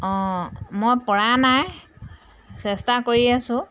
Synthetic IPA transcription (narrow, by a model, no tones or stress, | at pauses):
ɔ̃mojpɔɹanaj | sɛstakoɹiasʊ̃